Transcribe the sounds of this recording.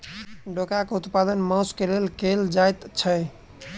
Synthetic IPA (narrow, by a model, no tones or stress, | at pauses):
ɖokakeut̪pad̪ənmãskelelkeld͡ʒajt̪t͡ʃʰəj